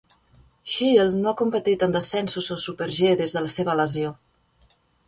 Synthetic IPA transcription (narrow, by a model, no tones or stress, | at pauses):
ʃilˠnoakumpət̪it̪ənd̪əsɛnsuzosupəɾʒeðezðələseβələzio